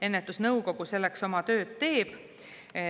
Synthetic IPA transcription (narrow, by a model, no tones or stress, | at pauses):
e̞nːet̪ːˑusnɤwko̞ɡ̥use̞lːe̞kso̞mɑt̪ø̞ːd̪̥̚t̪e̞ːb̥